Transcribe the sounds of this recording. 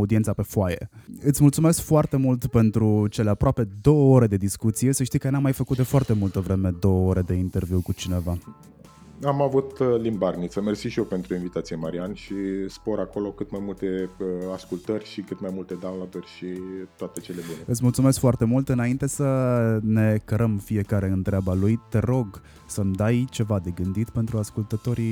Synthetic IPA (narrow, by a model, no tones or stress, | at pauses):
ud̪ient̪sape̞foaje̞̰ɨt̪sʲmult̪sume̞skfoart̪e̞mult̪pe̞nt̪ɾut͡ʃe̞le̞apɾoape̞d̪o̞wəo̞ɾe̞d̪e̞d̪iskut̪sije̞səʃt̪ikənamːajfəkut̪̚d̪efʊart̪e̞mult̪əvɾe̞me̞d̪o̞wəoɾe̞d̪e̞int̪e̞rvjiuwkut͡ʃine̞va | amavut̪limbarnit̪səmersiʃiope̞nt̪ɾuinvit̪at̪sijemaɾianʃispo̞ɾako̞lo̞kɨt̪majmult̪e̞askult̪ərʲʃikɨt̪majmult̪e̞d̪anlad̪ərʲʃit̪oat̪e̞t͡ʃe̞le̞buneɨt̪sʲmult̪sume̞skfoart̪e̞mult̪ɨnaint̪e̞səne̞kəɾəmfie̞kaɾe̞ɨnt̪ɾeabalujt̪e̞ɾo̞ɡ | səmd̪ajt͡ʃe̞vad̪e̞ɡɨnd̪it̪pe̞nt̪ɾuaskult̪ət̪o̞ɾi